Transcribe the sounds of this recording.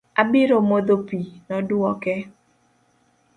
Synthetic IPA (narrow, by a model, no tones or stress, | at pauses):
abɪɾomod̪opinɔduɔkɛ